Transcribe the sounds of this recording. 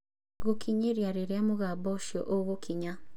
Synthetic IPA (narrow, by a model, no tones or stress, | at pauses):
ɣokiɲeɾjaɾeɾjamoɣabɔʃjɔ̰ʔoɣokʰiɲa